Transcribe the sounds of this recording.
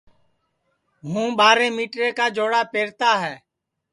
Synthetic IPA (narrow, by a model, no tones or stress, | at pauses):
ɦũːɓaːɾẽːmiːʈɾeːkaːd͡ʒoːɽaːpeːɾt̪aːɦɛː